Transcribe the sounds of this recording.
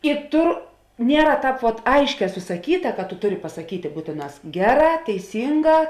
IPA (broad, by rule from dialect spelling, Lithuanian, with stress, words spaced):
ɪ ˈtʊr ˈnʲiɛrɐ ˈtɑːp ʋoːt ˈɐɪʃʲˌkʲɛː sʊsɐˈkʲiːtɐ kɐt tʊ ˈtʊˌrʲɪ pɐsɐ kʲiːtʲeː ˈbuːtʲeːˌnɑːs ˈɡʲæːˌrɑː tʲɛɪˈsʲiːŋˌɡɑː